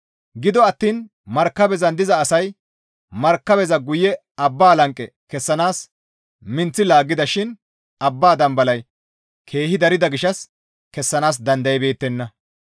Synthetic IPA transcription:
ɡɪd̪ɔɐt̪ːiːn | mɐɾkːɐbɛzɐnd̪ɪzɐːsɐj | mɐɾkːɐbɛzɐɡʊjɛ | ɐbːaːlɐŋkʼːɛ | kɛsːɐnaːs | mɪnt͡sːɪlaːɡɪd̪ɐʃɪn | ɐbːaːd̪ɐmbɐlɐj | kʰe̞ːhɪd̪ɐɾɪd̪ɐɡɪʃɐs | kɛsːɐnaːs̬d̪ɐnd̪ɐjɛbe̞ːt̪ːɛnːɐ

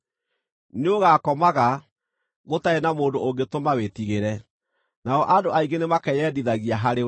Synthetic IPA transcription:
neoɣakɔmaɣa | ɣotaenamoːndooŋɡetomawetiɣeɾɛ | naɔʔadoʔaiɡenemakɛjɛdiðaɣiaɦaɾe

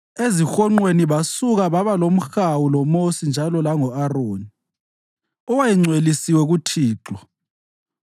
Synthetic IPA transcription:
ezixɔŋ͡ǃweniβasuɣaβaβalom̩xawulɔmosind͡ʒʱalɔlaŋɔaroːni | ɔwajiŋ͡ǀʱwelisiwɛɣutʰiːǁɔ

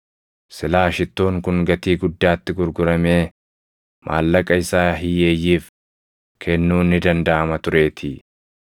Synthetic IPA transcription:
sɪlaːʃɪt̪ːo̞ːŋkʊŋɡɐt̪iːɡʊd̪ːaːt̪ːɪɡʊɾɡʊɾɐme̞ː | mʔa̰ːlːɐkʼɐɪsaːɦɪjeːjːiːf | kʰɛnːuːnːɪd̪ɐnd̪ɐʔɐmɐt̪ʊɾe̞ːt̪ʰɪ

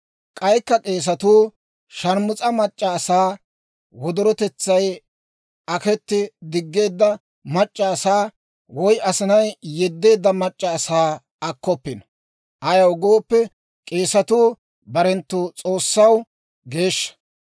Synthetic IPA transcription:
kʼɐjkːɐkʼe̞ːs̬ɐt̪uː | ʃɐɾmʊt͡sʼɐmɐt͡ʃʼːaːsaː | wɔd̪ɔɾɔt̪ɛt͡sːɐj | ɐkɛt̪ːɪd̪ɪɡːe̞ːd̪ːɐ | mɐt͡ʃʼːaːsaː | wɔjɐsɪnɐjjɛd̪ːe̞ːd̪ːɐmɐt͡ʃʼːɐːsaː | ɐkːɔpːɪnɐ | ʔɐjɐwɡo̞ːpːɛ | kʼe̞ːsɐt̪uː | bɐɾɛnt̪ːut͡sʼo̞ːsːɐw | ɡe̞ːʃːɐ̥

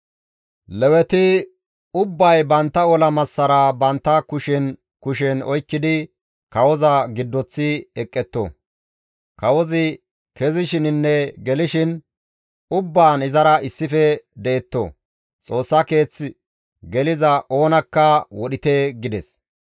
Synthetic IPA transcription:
lɛwɛt̪ɪ | ʊbːɐjbɐnt̪ːɐɔlɐmɐsːɐɾɐbɐnt̪ːɐkʊʃɛn | kʊʃ̬ɛnɔjkːɪd̪ɪ | kɐwɔzɐɡɪd̪ːɔt͡sːɪɛkʼːɛt̪ːo̰ | kɐwɔzɪ | kɛzɪʃɪnɪnːɛɡɛlɪʃɪn | ʊbːaːnɪzɐɾɐɪsːɪfɛd̪ɛːt̪ːo̰ | t͡sʼo̞ːsːɐke̞ːt͡sːɪ | ɡɛlɪzɐʔo̞ːnɐkːɐwɔɗɪt̪eːɡɪd̪ɛs

